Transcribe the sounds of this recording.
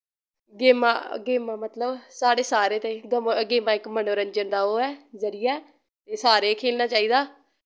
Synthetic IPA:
ɡeːma̰ːɡeːmãːmət̪ləbsaːɽeːsaːɾeːt̪ẽːɡəmɡeːmãːɪkmənoːɾəɲd͡ʒənd̪aːoːɛːzəɾɪjaɛː | t̪eːsaːɾeːkʰeːlnaːt͡ʃaːiːd̪aː

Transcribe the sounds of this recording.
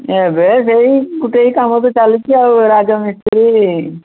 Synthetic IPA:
ebes̬eikuʈeikamot̪̬ot͡ʃalit͡ʃʰiawɾaːd͡ʒamist̪ɾi

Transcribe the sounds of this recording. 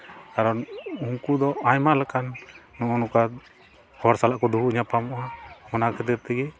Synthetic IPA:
kaɾɔnuŋkud̪ɔajmalakanːɔʔɔnuka | hɔaɾsalaʔkɔd̪uɦuiɲapamɔʔamɔnakɛt̪ɛɾt̪ɛɡɛ

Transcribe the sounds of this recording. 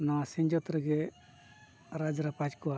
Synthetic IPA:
nawasɛ̃ɲd͡ʒɔt̪ɾɛɡɛ | ɾad͡ʒɾapad͡ʒkɔa

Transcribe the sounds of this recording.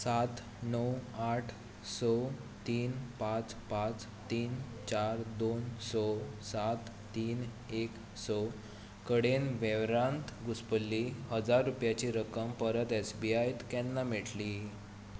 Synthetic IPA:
sat̪ | nəwaʈʰ | sɔ | t̪iːnpãt͡spat͡s | t̪iːnt͡ɕaɾd̪onsɔsat̪ːiːn | ek | sɔ | kəɽenʋeʋɾãnt̪ɡuspəlːihəd͡zaɾːupjat͡ɕiɾəkəmpəɾət̪esbiajt̪kɛ̃nːameʈli

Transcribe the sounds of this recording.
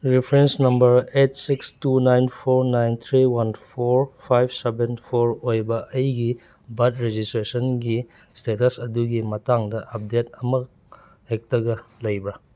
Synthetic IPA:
ɾipʰɾensnɐmbɐɾet̚sikstunajnpʰoɾnajnt̪ʰɾiwɐnpʰoɾpʰajb̚ʰsebenpʰoɾojbɐʔɐjɡi | bɐtɾed͡ʒistɾesɐnɡi | stetɐsɐduɡimɐtaŋdɐʔɐp̚detɐmɐ | hek̚tɐɡɐlɐjbɾɐ

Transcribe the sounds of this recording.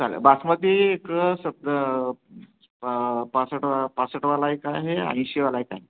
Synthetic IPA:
t͡salə̰basmət̪iːkəsəb̚d̪ | pasəʈapasəʈʋalajkaɦeã̰j̃ɕeʋalajkaɦe

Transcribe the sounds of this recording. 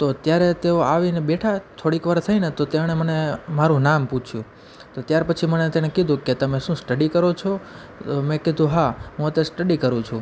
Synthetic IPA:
t̪ot̪jaɾet̪eoaʋinebeʈʰat̪ʰoɽikʋaɾt̪ʰəinet̪ot̪emɳemənemaɾũnamput͡ʃʰjũ | t̪ot̪jaɾpət͡ʃʰimənet̪eɽ̃ekid̪ʱũket̪əmẽʃũsʈəɖikəɾot͡ʃʰo | omẽkid̪ʱũɦaɦũət̪esʈəɖikəɾũt͡ʃʰũ

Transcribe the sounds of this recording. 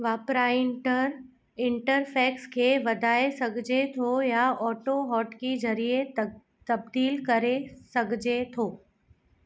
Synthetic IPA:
ʋaːpɾaːɪɳʈəɾ | ɪɳʈəɾpʰeːkskʰeʋɐd̪ʱaːesɐɡʱd͡ʑet̪ʰojaɔːʈoɦɔːʈkizɐɾie | t̪ɐb̚d̪iːlkɐɾesɐɡʱd͡ʑet̪ʰoː

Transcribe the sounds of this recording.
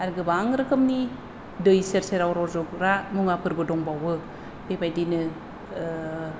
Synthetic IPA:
aɾɡɯbaŋɾɯkɯmni | dɯjseɾseɾawɾoɾzokɾamuŋapɯɾbɯdoŋbawɯ | bebajdinɯ

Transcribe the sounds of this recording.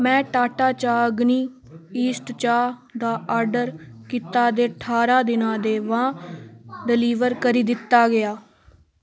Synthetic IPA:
mɛ̃ːʈaːʈaːt͡ʃaːɡniː | iːsʈt͡ʃaː | d̪aːʔaːɾɖəɾkiːt̪aːd̪eːəʈʰaːɾãːd̪ɪnãːd̪eːʋãː | ɖɪliːʋəɾkəɾiːd̪ɪt̪ːaːɡɪaː

